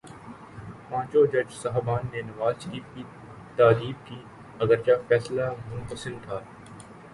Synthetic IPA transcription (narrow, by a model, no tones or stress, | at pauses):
pãːt͡ʃod͡ʒɐd͡ʒsaɦbaːnːenɐʋaːzʃəɾiːfki | t̪aːɾiːbki | ɐɡəɾt͡ʃafɛːslamʊ̃nqəsɪnt̪ʰaː